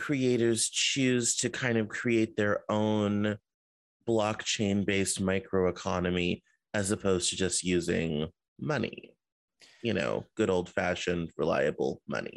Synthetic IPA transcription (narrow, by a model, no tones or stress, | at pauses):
kʰɹ̥ieɪɾə˞z̥t͡ʃʰʉz̥tʰɨkʰãɪ̃ndʌv̥kʰɹ̥ieɪt̪̚ðə˞õʊ̃n | b̥lɑkt͡ʃʰẽɪ̃nbeɪsmaɪkʰɹoʊəkʰɑnɨmi | ɨzɨpʰoʊz̥tʰɨd͡ʒʌst̚jʉzɪ̰̃ŋ | mʌnḭ | jɨno̰ʊɡ̥ʊɾoʊlˠd̥fæʃɨ̃nɹɪla̰ɪɨbl̩ˠmʌ̰nḭ